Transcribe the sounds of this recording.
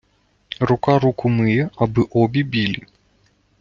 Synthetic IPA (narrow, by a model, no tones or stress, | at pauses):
rʊkaɾukʊmɨjɛɐbɨʔɔbʲibʲilʲi